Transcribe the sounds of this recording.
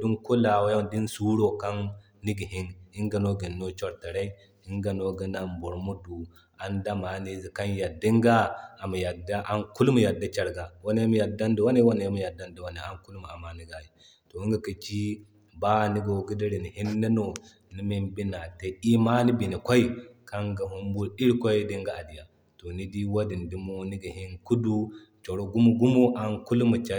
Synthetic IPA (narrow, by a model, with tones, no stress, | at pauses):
di˦nku˦la˨wa˦ja˦˨di˦n˦su˦ɾo˦ka˦nː | i˦ɡi˨ɦi˦ni˦ŋɡa˨no˦ɡi˨nːo˦t͡ʃo˦ɾta˨ɾa˦i˦ | i˦ŋɡa˨no˦ɡi˦na˨mbo˨ɾmu˦du˨ | a˨nda˦ma˨˦ni˦zi˨ka˦nja˨dːi˦ŋɡa˦a˨ma˨ja˨da˦ʔa˦ŋku˦lmu˨ja˨dːa˦t͡ʃa˨ɾɡa˨wa˦na˦jmu˦ja˨dːa˦ndi˨wa˦ne˦wa˦na˨ja˦mu˦ja˨dːa˦ndi˨wa˦ni˨a˨˦ŋku˦lma˨a˨ma˨ni˨ɡa˨ji˨ | to˨˦ŋɡa˨ka˨t͡ʃi˦ | ba˦˨ni˦ɡo˨ɡi˦di˦ɾi˨ni˨hi˦nːa˦no˨ | ni˦mi˦mbi˦na˨te˦i˦ma˦ni˦bi˨ni˨kʷa˦i˦ka˦ŋɡa˨ɦu˦mbu˦ɾi˦ɾkʷa˦di˦ŋɡa˨a˨di˨ja˨ | to˨ni˦di˦wa˦di˨ndi˦mo˦ni˦ɡa˨hi˦nku˦du˦ | t͡ʃo˨ɾo˦ɡu˦mu˦ɡu˦mo˦ʔa˨ŋku˦lma˨t͡ʃa˦